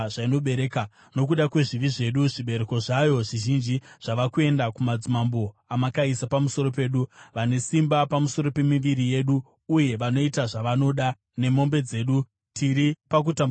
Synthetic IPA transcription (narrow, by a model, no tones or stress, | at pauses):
ʐaino̞ɓeɾeːka | no̞k̬uɗakwe̞ʐiʋiʐe̞ɗuʐiɓe̞ɾeko̞ʐajo̞ʐiʒind͡ʒiʐ̥aʋakue̞ndakumad͡zimambo̞amakaisapamuso̞ɾo̞pe̞ːɗuʋane̞simbapamuso̞ɾo̞pe̞miʋiɾije̞ɗuː | je̞ʋano̞itaʐaʋano̞ɗa | ne̞mo̞mbe̞d͡ze̞ːɗu | tʰiɾipak̬utam